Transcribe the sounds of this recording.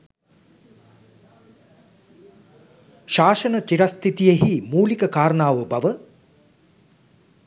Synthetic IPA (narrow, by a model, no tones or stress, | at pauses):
ʃaːʃənət̪iɾast̪ʰit̪ijeɦimuːlikəkaːɾənaːʋəbaʋə